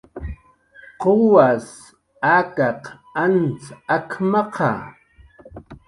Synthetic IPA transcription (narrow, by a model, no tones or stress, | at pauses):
qowas | akɑq | ant͡sakʰmɑqʰɑ̰